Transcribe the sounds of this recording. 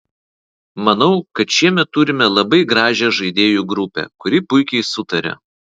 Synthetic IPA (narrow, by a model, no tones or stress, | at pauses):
mɐnɒʊkɐt̪ʃʲiɛmʲɛt̪ːʊɾʲɪmʲɛlˠɐbɐɪɡɾɑːʒʲɛʒɐɪd̪ʲeːjuːˑɡɾʊpʲɛ̰ːkʊɾʲɪpʊɪkʲɛɪsʊt̪ɐɾʲɛ̰